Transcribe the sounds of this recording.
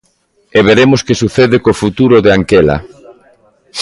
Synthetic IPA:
eβ̞eɾemoskesuθeðekofut̪uɾoðɪaŋkela̰

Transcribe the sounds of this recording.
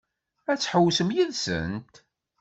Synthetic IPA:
æt͡sːħəwsəmjiðsə̰nt̪

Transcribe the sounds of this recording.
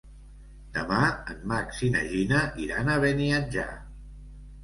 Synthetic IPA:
d̪̥əmaənmaksinə̰ʒinəʔiɾanəβeniəd͡ʒa̰

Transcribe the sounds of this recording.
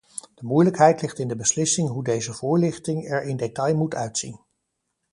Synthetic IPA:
d̥əmujləkɦɛjtlɪχtɪndəbəslɪsɪŋɦudejzəv̥ʊːɹlɪχtɪŋɛɹɪndetɑjmutʰœɥtsḭn

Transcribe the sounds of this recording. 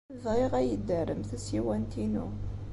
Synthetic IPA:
ðʁiʁæjəd̪ːəɾəmθæsiwænt̪inṵ

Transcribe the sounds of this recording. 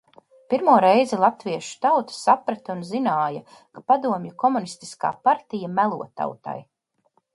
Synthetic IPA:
piɾmuɔɾɛjzɛlˠat̪viɛʃu̥t̪awt̪ḁsapɾat̪aunzinaːja | kapad̪uɔmjukɔmunist̪iska̰ːpaɾt̪ijamælˠṵɔt̪a̰wt̪a̰j

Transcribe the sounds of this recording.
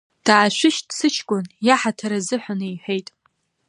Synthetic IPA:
d̥aːʃʷɪʃtsɨt͡ʃʰkʷʼʊnjaħatʰaɾazɨħʷanɨjħʷejtʼ

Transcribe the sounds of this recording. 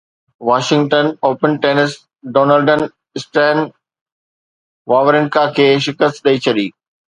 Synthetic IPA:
ʋaːʃɪ̃ŋɡʈənoːpənʈeːnɪs | ɖoːnəlɖən | ɪsʈɛ̃ːn | ʋaːʋəɾɪnkakʰeːʃɪkəst̪ɗɐit͡ɕʰɐɗiː

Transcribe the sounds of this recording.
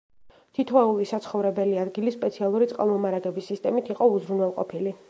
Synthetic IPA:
t̪ʰit̪ʰwɛulˠisat̪sʰχɔvɾɛbɛliad̪ɡilisːpʼɛt̪sʰialˠuɾit̪sʼqʼa̰lˠmɔmaɾaɡɛbisːist̪ʼɛmit̪ʰiqʼɔuzɾunwɛlˠqʼɔ̰pʰili

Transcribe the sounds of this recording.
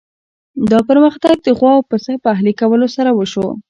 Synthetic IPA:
d̪ɑpəɾməxt̪aɡ̚d̪əɣwɑpəsapəaɦlikawəlosaɾawəʃo

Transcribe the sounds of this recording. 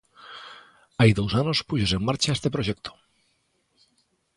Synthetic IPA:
ajðowsanospuʃose̞mːaɾt͡ʃaest̪epɾoʒek̚t̪ʰo̥

